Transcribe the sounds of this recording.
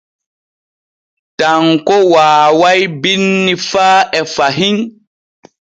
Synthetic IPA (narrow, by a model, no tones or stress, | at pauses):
taŋkɔwaːwajbinːifaːɛfaɦiŋ